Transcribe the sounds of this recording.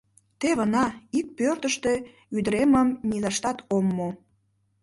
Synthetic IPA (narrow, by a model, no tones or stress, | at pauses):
t̪eβənɑik̚pørt̪əʃt̪e | yd̪əɾeməmnilɑʃt̪ɑt̪omːo